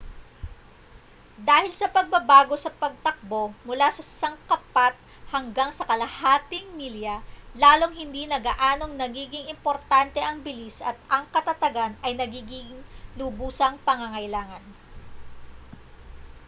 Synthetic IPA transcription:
d̪aːhɪlsɐpɐɡ̚bɐbaːɡo̞sɐpɐɡ̚t̪ɐk̚bo̞mʊlasɐsɐŋkɐpat̪̚ | hɐŋɡaŋsɐkɐlɐhaːt̪ɪŋmiljɐlaːlo̞ŋɦɪnd̪inɐɡaʔaːno̞ŋnɐɡiːɡɪŋɪmpo̞ɾt̪ant̪ɛʔɐŋbɪlisɐt̪̚ʔɐŋkɐt̪ɐt̪ɐɡanɐjnɐɡiːɡɪŋlʊbuːsɐŋpɐŋaŋɐjlaːŋɐn

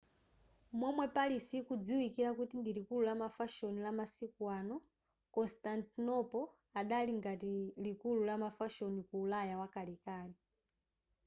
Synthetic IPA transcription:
mɔmwɛpalisikud͡ziwikiɾakutindilikululamafaʃɔnilamasikwanɔ | kɔnstantinɔpɔ | aɗaliŋɡatilikululamafaʃɔnikuːlajawakalikaːni

